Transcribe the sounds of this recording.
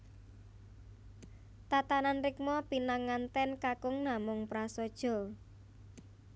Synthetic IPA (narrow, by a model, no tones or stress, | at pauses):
t̪at̪ananrɪk̚mɔpinaŋːant̪ɛnkakʊŋnamʊŋpɾasɔd̥ʒ̥ɔ̤